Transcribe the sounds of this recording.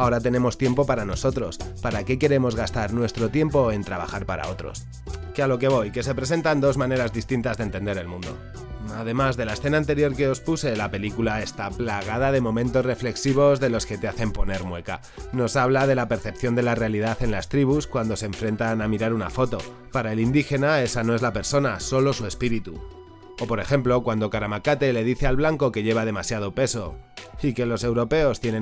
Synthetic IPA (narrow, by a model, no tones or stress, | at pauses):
ao̞ɾat̪e̞nẽ̞mo̞st̪je̞mpo̞paɾano̞so̞t̪ɾo̞spaɾake̞ke̞ɾe̞mo̞zɣast̪aɾnwe̞st̪ɾo̞t̪je̞mpo̞e̞nt̪ɾaβa̰xaɾpaɾa̰o̞t̪ɾo̞̰s | kealo̞ke̞β̞o̞jke̞se̞pɾe̞se̞nt̪and̪o̞zmãne̞ɾazðist̪int̪azðent̪e̞nd̪e̞ɾe̞lmũnd̪o̞̰ | að̞e̞mazðe̞laesθe̞naːnt̪e̞ɾjo̞ɾke̞o̞spuse̞lape̞likulae̞st̪aplaɣ̞aðaðe̞mõ̞mẽnt̪o̞srefle̞ksiβ̞o̞zðe̞lo̞ske̞t̪e̞aθe̞mpo̞ne̞ɾmwe̞ka | no̞saβlað̞e̞lape̞ɾθe̞pθjo̞nd̪e̞lare̞alið̞aθe̞nlast̪ɾiβ̞uskwand̪o̞sẽɱfɾe̞nt̪anamiɾaɾuna̰fo̞t̪o̞ | paɾae̞lind̪ixe̞nae̞sano̞elape̞ɾso̞naso̞lo̞sue̞spiɾit̪u | opo̞ɾe̞xe̞mplo̞kwand̪o̞kaɾamakat̪e̞le̞ðiθe̞alβlaŋko̞ke̞ʝe̞β̞að̞e̞masjað̞o̞pe̞so̞ike̞lo̞se̞wɾo̞pe̞o̞st̪je̞ne̞